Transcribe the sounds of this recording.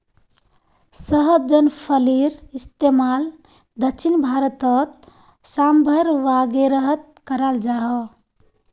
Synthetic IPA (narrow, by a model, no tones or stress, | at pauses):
səɦəd͡ʒənpʰəliɾist̪emal | d̪əkʃʰinbʱaɾət̪ət̪̚ | sambʱəɾʋaɡeɾəɦət̪̚kəɾald͡ʒaɦə